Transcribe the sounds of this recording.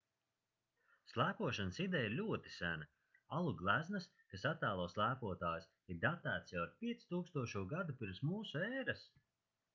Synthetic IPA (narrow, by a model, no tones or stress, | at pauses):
slˠæːpuɔʃansid̪ɛjiɾlʲuɔt̪i̥sænɐ | alˠuɡlˠæznɨs | kasat̪ːæːlˠɔːslˠæːpuɔt̪aːjs | iɾd̪at̪æːt̪sjawaɾpʲiɛt̪si̥t̪uːkst̪uɔʃuɔɡad̪upʲiɾmsmuːsuɛːɾas